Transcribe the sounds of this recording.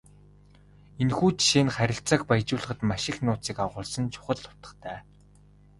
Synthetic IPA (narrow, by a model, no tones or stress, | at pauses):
enxuːt͡ɕʃinχæɾʲɪ̆ɬt͡sə̆kpajt͡ɕʊːɮ̆χə̆t̪maʃɪ̆xnʊːt͡siːkawʁʊːɮsə̆nt͡ɕʰʊ̥χə̆ɮːʊ̥t̪ə̆χt̪ʰæː